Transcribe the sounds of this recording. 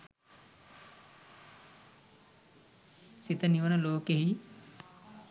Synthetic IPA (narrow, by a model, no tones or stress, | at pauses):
sit̪ɐniʋɐnɐloːkeɦi